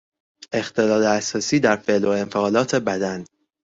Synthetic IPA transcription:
e̞xt̪ʰe̞lɒːleæsɒːsiːd̪æɾfe̞ʔlo̞e̞nfeɒːlɒːt̪ʰe̞bæd̪æn

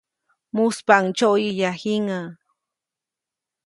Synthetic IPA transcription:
mʊspaŋt͡ʃawjiʎahɪŋa

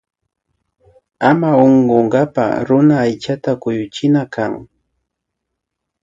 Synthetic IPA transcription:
amaoɴɢoɴɢɑpa̰ɾʊnaːjt͡ʃat̪akʊjʊt͡ʃɪnakaŋ

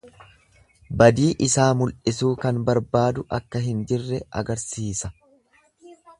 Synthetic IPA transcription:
bɐd̪iːʔɪsaːmʊlʔɪsuːkɐnbɐɾbaːd̪ʊʔɐkːɐɦɪnd͡ʒɪrːɛɐ̰ɡɐɾsiːsɐ

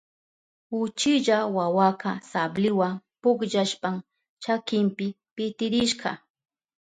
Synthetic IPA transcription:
ʊt͡ʃɪʎawawakɑsablɪwaŋpʊkʎaʃpam | t͡ʃakɪmpɪ | pɪt̪ɪɾɪʃɢɑ̰

